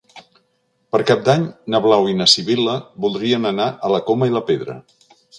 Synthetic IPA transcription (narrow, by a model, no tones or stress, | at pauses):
pəɾkap̚d̪aɲnəβlawinəsiβiləβulˠd̪ɾiənənaʔələkoməiləpeðɾə̰